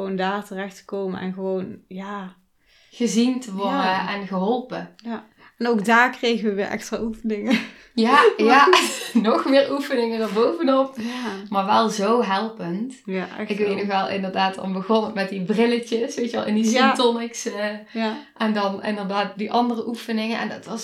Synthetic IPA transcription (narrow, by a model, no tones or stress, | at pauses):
ʋondaːɹtərɛxtə̥kowməɛ̰nɣəʋownjaː | ɣəzintəʋɔdəɛnɣəɦɔlˠpəj | ɛnowkdaːɹkrejɣənʋəʋɪ̰ːɹʔɛ̰kstra̰ːufənɪŋə | jaːjanɔxmɪːɹufənɪŋəndaɹbowvənɔp̚maːɹʋɛlˠzowɦɛlˠpəntɪkkʋejtnɔxʋɛlˠʔɪ̰ndəɹdaːtɑ̰nbəɣɔnəmɛt̚dibrɪlət͡ʃəsʋejtʋɛ̰lˠɪndisntɔnɪks | ʔɛndɑnɪ̰ndərdaːt̚diʔɑndərəʔufənɪŋənɛ̰ndɑtʋɑs